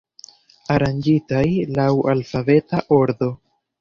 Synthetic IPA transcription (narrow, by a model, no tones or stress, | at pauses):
aɾand͡ʒitajlawalfave̞taʔo̞ɾd̪o̞